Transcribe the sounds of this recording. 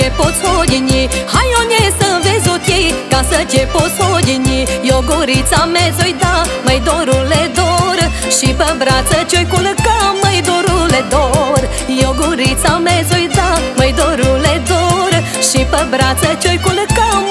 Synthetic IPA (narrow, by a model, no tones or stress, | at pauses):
epot͡sʰojʲiɲihajɔnesəvezut̪ikãsət̪ʲepot͡sodʲiɲijoɡuɾit͡samed͡zojd̪a | məjd̪oɾuled̪ɔɾ | ʃipəbɾat͡sət͡ʃʲojkuləkəməjd̪oɾuled̪oɾ | joɡuɾit͡samed͡zojd̪aməjd̪oɾuled̪ɔɾ | ʃipəbɾat͡sət͡ɕʲojkuləkə